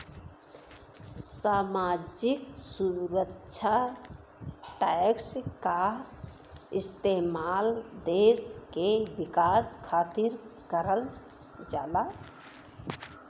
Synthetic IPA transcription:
samad͡ʒiksuɾət͡ʃʰa | ʈakska | ɪst̪emald̪eskebikaskʰaːt̪iɾkəɾəl | d͡ʒaːla

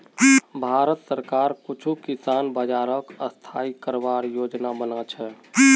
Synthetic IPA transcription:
bʱaːɾət̪səɾkaːɾkʊt͡ʃʰukisaːnbəd͡ʒaːɾəkəst̪ʰaikəɾbaɾjoːd͡ʒnabənat͡ʃʰɛ

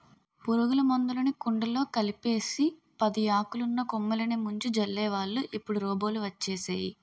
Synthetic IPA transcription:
puɾuɡulɐmond̪ulɐnikuɳɖɐlo̞ːkɐlipe̞ːsi | pɐd̪iaːkulunːɐkumːɐlɐnemuɲt͡ʃud͡ʒɐlːɛːʋaːɭːuʔipːuɽuɾɔːbo̞ːluʋɐt͡ʃːeːsa̰ːji

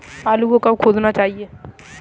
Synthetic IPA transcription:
aːluɡõkɐkʰoːd͡ʒnat͡ʃaːɦieː

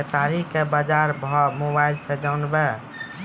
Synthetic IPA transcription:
et̪aɾikebad͡ʒaɾbʱɔmobaɪlsɛd͡ʒanbɛ

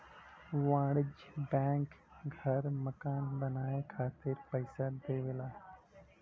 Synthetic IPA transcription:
ʋãːɽɪd͡ʒbɛ̃ːŋk | ɡʱəɾməkaːnbənaːekʰaːt̪ɪɾpəɪsad̪eːʋelaː

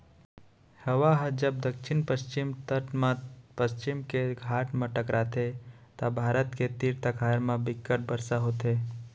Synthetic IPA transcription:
hɐʋaɦd͡ʒəb̚d̪əkʃɪnpəʃt͡ʃɪmt̪əʈmpəʃt͡ʃɪmkeɡʱaːʈmãʈəkɾaːt̪et̪abʱaːɾət̪ket̪iɾt̪əkʰaːɾmãbɪkːəʈ̚bəɾsaɦoːt̪eː

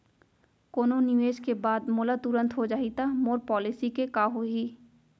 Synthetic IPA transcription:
koːnõniʋeːd͡ʒkebaːd̪mʊlat̪uɾə̃nt̪ɦod͡ʒaːit̪amoːɾpɔːlɪsikekaːɦoɦiː

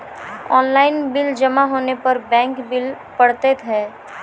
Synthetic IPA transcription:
ɔ̰ːnlaːɪnbɪld͡ʒəmaɦoːnepɐɾbɛ̃ːŋkbɪl | pəɽt̪et̪ʰɛː

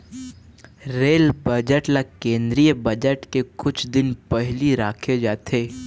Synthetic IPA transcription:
ɾeːlbəd͡ʒəʈlakẽːnd̪ɾijəbɐd͡ʒəʈkekʊt͡ʃʰd̪ɪnpɛɦliɾaːkʰed͡ʒaːt̪ʰeː

